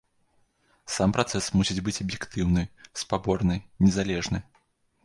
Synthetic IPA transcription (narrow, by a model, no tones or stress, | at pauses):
sampɾʔat̪sɛsmusʲid͡zʲbɨt͡sʲɐbjɛkt̪ɨwnɨspabɔrnɨnʲɛzalʲɛʐnɨ